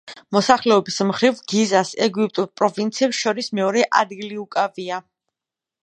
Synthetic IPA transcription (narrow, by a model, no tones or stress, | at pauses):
mɔsaχlɛɔbismχɾivɡizasɛɡipʼt̪ʼuɾpʼɾɔvint̪sʰiɛpsʃɔɾismɛɔɾɛʔa̰d̪ɡiliukʼavia